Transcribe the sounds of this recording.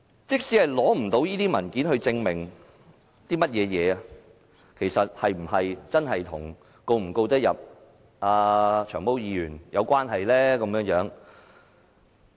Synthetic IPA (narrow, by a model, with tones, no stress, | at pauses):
t͡sɪ˥k̚siː˨˥hɐ˨jlɔː˨˥m̩˨˩t̪o˨˥wjiː˥t̪iː˥mɐ˨˩nkiː˨˥nhɵ˧ɥt͡sɪ˧ŋmɪ˨˩ŋ | t̪iː˥mɐ˥t̚jɛː˨˧jɛː˨˧ɐ˧ | kʰe˨˩jsɐ˨t̚hɐ˨jm̩˨˩ɦɐ˨jt͡sɐ˥nɦɐ˨jt̪ʰʊ˨˩ŋ | ko˧wm̩˨˩ko˧wt̪ɐ˥t̚jɐ˨p̚ | ʔaː˧t͡ʃʰœː˨˩ŋpo˥wjiː˨˧jyː˨˩njɐ˨˧wkʷaː˥nɦɐ˨jlɛː˥kɐ˨˧˥mjœː˧˥ŋjœː˨˥ŋ